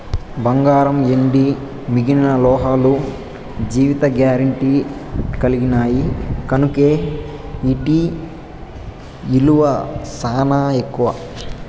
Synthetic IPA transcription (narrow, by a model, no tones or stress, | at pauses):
bɐŋɡaːɾɐmeɳɖi | miɡininɐlɔːɦaːlu | d͡ʒiːʋit̪ɐɡjaːɾɐɳʈikɐliɡinaːjikɐnukeː | iʈi | iluʋɐsaːnaːekːuʋɐ